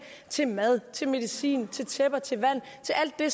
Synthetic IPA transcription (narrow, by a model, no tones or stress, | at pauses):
t͡sʰe̝lmæð̞ˠt͡sʰe̝lme̝ðˠisḭːnt͡sʰe̝lt͡sʰeb̥ɐt͡sʰe̝lʋæn̰t͡sʰe̝læl̰d̥ːe̝s